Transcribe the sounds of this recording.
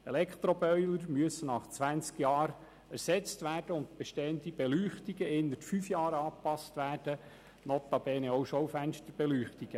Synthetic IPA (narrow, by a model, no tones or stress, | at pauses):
elɛkt̪ɾɔbœʏləɾmyəsənɑχt͡sʋænt͡skjɑːɾ | æɾsɛt͡stʋæːrd̥əʊnt̪̚b̥ɛʃteːənd̪ib̥ɛlyːχtiɡəɪnːətfyfjɑːɾɑːpɑstʋæːd̥ə | nɔt̪ɑbɛːnɛɔwʃɔwfænʃtəɾb̥ɛlyːχtiɡ̥ə